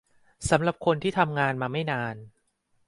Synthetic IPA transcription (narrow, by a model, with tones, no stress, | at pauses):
sa˩˦mɾa˨˩p̚kʰo˧nt̪ʰiː˥˩t̪ʰa˧mŋaː˧nmaː˧ma˥˩jnaː˧n